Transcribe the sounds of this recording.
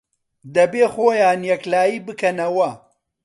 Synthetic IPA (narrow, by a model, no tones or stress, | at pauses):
d̪ɐbeːxoːjaːnjɐklaːjiːbɨkʰɐnɐwɐ